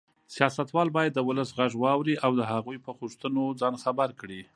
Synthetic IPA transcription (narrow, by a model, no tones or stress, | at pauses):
sjɑsat̪wɑlbɑjad̪ːəwʊləsɣaʐwɑwɾiʔawd̪əɦaɣujpəɣuʂt̪ənod͡zɑnxabaɾkɽi